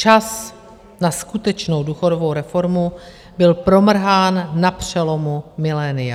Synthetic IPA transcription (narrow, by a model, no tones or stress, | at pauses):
t͡ʃas | naskut̪ɛt͡ʃno̞wduːxo̞dovo̞wɾɛfo̞ɾmu | bɪlpɾo̞mr̩ɦaːnːapr̝̥ɛlo̞mumɪlɛːnɪja